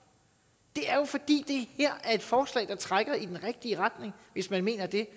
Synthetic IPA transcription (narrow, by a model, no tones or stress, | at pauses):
d̥e̝æɐjo̝fɒ̽d̥ḭːd̥e̝heɐ̰æɐe̝d̥fɒːslɛ̰ːɪd̥ɑ̈t͡sʰʁaɡ̥ɐid̥enʁɛɡ̥̚d̥iəʁad̥ne̝ŋʋe̝smænme̝̰ːnɐd̥e̝